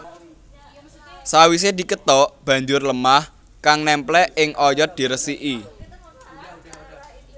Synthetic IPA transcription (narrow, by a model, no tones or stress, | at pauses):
sawis̬ed̪̥i̤kət̪ɔʔb̥ä̤ɲd͡ʒʊrləmah | kaŋnɛmplɛɪŋʔɔjɔd̪̥i̤ɾəsiʔi